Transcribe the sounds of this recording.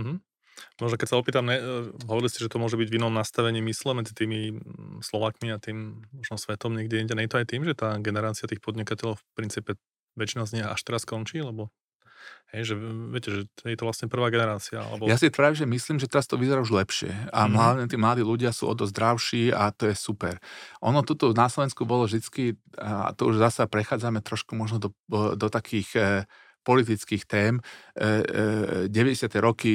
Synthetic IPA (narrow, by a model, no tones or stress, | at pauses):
m̩ɦm̩ | mɔʒnɔkɛcsaɔpiːt̪amɲɛɦɔʋɔɾiliscɛʒɛt̪ɔmʊɔʒɛbiɟʋinɔmnast̪aʋɛɲiːmislɛmɛd͡zit̪iːmislɔʋaːkmiat̪iːmmɔʒnɔsʋɛt̪ɔmɲɪɛɡɟɛiɲɟɛnɛjɛt̪ɔajt̪iːmʒɛt̪aːɡɛnɛɾaːt͡siat̪iːxpɔd̪ɲikacɛʎɔʊfpɾint͡siːpɛ | ʋɛt͡ʃinazɲia̰ʃt̪ɛɾaskɔnt͡ʃiːlɛbɔ | hɛjʒɛʋɛcɛʒɛjɛt̪ɔʋlasɲɛpr̩ʋaːɡɛnɛɾaːt͡sia̰a̰lɛ̰bɔjasit̪ʋɾʒɛmisliːmʒɛt̪ɛɾast̪ɔʋizɛɾauʒlɛpʃɪɛ̰aɦlaʊɲɛt̪iːmlad̪iːluɟɪasṵʔɔ̰d̪ɔzd̪ɾaʊʃiːat̪ɔjɛsupɛɾʔɔnɔt̪ut̪ɔnaslɔʋɛnskubɔlɔvʒd̪it͡skia̰t̪ɔuʒzasapɾɛxaːd͡zamɛt̪ɾɔʃkumɔʒnɔd̪ɔd̪ɔt̪akʰiːx | pɔlit̪it͡skiːxt̪ɛːm | ɟɛʋɛɟɛsɪat̪ɛɾɔki